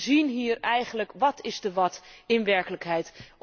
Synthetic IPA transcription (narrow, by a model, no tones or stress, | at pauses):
zinɦiːrɛjχən̩ləkʋɑtɪzdəʋɑtɪnʋɛɹkələkɦɛjt